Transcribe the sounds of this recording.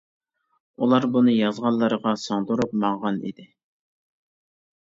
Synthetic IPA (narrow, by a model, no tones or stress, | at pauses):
ulˠɑɾbunɨjɑzʁɑnlːˠəɾəʁɑsɑŋd̪uɾup̚mɑŋʁɑnḭd̪ɪ